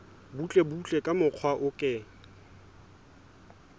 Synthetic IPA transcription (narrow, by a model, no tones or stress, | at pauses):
but͡ɬʼebut͡ɬʼɛkʼamʊq͡χʰwaʔʊkʼɪ